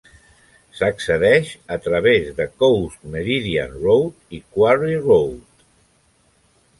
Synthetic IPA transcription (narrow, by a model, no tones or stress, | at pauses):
səksəðɛʃət̪ɾəβezðəkowsməɾiðia̰nrowt̪ikwaɾirowt̪